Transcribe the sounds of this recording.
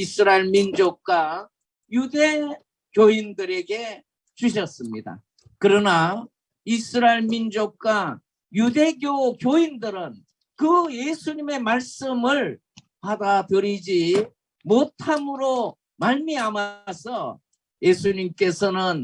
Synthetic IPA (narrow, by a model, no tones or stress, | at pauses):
isʰɯɾaeɭmind͡ʑok̚k͈wa | jude̞ | kjoindɯɾe̞ɡe̞ | t͡ɕuɕ̬ʰʌs͈ɯmɲida̰ | kɯɾʌna | isʰɯɾaeɭmind͡ʑok̚k͈wa | jude̞ɡjokjoindɯɾɯn | kɯje̞sʰuɲime̞maɭs͈ɯmɯɭ | padadʌɾid͡ʑi | motʰamɯɾo | maɭmiamasʰʌ | je̞sʰuɲimk͈e̞sʰʌnɯn